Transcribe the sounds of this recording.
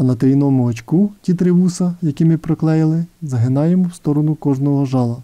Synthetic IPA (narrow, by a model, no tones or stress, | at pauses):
ɐnɐt̪ɾʲijnɔmʊɦɔt͡ʃkutʲit̪ɾɪʋusɐjɐkʲimɪpɾɔklˠɛjɪlˠɪzɐɦɪnɑjemɔwst̪ɔɾɔnʊkɔʒnɔɦɔʒɑlˠɐ